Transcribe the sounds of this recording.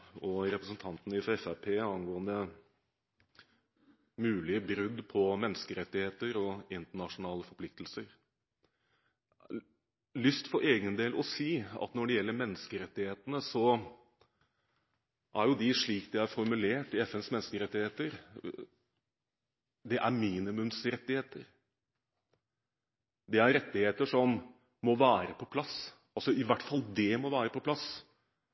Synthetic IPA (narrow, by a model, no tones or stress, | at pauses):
ɔɾɛpɾəsənt̪ʰɑnt̪ənəɪfɾɑɛfæpʰeːɑnɡoːənd̪ə | mʉːlɪəbɾʉd̪pʰɔmɛnːəskəɾɛt̪ːɪheːt̪əɾɔɪnt̪əɳɑʂʊnɑːləfɔɾpʰlɪk̚t̪lsəɾ | lʏst̪fɔɾʔeːɡənd̪eːlʔɔsiːɑ̰t̪nɔɖɛjɛlːəɾmɛnːəskəɾɛt̪ːɪheːt̪ənəsɔ | ʔæɾjʊd̪ɪʂɭiːkd̪ɪæɾfɔɾmʉleːʈɪɛfɛnsmɛnːskəɾɛt̪ːɪheːt̪əɾ | d̪ɛʔæɾmiːnɪmʉmsɾɛt̪ːɪheːt̪əɾ | d̪ɛæɾɾɛt̪ːɪheːt̪əʂɔmː | ɔʋæːɾəpʰɔpʰlɑs | ɑlsɔɪʋæʈːfɑld̪ɛmɔʋæːɾəpʰɔpʰlɑs